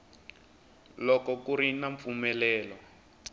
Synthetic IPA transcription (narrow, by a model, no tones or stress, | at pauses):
lɔkɔkuɾinaɱp̪fumɛlɛːlɔ